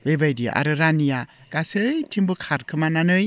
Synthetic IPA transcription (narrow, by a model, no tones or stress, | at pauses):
bebajdiʔa̰ɾɯɾanijakasɯjtʰimbɯkʰaɾkʰɯmananɯj